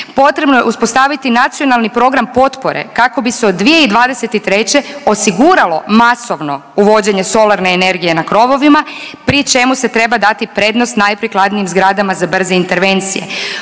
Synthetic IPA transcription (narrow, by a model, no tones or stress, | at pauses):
po̞t̪ɾe̞bnojḛuspo̞st̪aːʋit̪inat̪sijo̞nalˠnipɾo̞ɡɾampo̞t̪po̞ɾḛkako̞biseod̪ːʋije̞id̪ʋaːd̪ese̞t̪it̪ɾe̞t͡ɕe̞o̞siɡuɾalo̞maso̞ʋno̞uʋo̞d͡ʑe̞ɲe̞so̞lˠaɾne̞ːne̞ɾɡije̞nakɾo̞ʋo̞ʋimapɾit͡ʃe̞muse̞t̪ɾe̞bad̪at̪ipɾe̞d̪nost̪najpɾiklˠad̪nijimzɡɾad̪amazabr̩zeint̪e̞ɾʋe̞nt̪sḭje̞̰